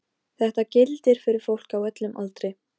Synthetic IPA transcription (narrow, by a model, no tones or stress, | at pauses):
θɛht̪acɪlt̪ɪɾ̥fɪɾɪɾ̥fowl̥kawœt̪lʏmʔa̰lt̪ɾɪj